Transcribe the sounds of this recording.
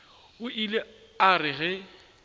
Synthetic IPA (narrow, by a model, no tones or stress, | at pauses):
ʊʔile | arɪɣɛ